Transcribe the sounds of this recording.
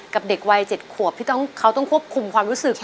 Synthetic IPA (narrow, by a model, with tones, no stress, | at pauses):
ka˨˩p̚de˨˩k̚wa˧jt͡ɕe˨˩t̪̚kʰu˨˩əp̪̚ʰiː˥˩t̪ɔ˥˩ŋkʰa˦˥wt̪ɔ˥˩ŋkʰu˥˩əp̚kʰu˧mkʰwaː˧mɾuː˦˥sɯ˨˩k